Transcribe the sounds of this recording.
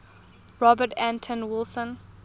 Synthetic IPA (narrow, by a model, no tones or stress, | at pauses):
ɹɔbətʰæ̃ntʰə̃nwɪlˠsə̃n